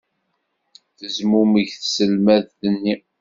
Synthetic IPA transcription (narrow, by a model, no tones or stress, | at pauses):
θəzmuməʝθsəlmæðːənːi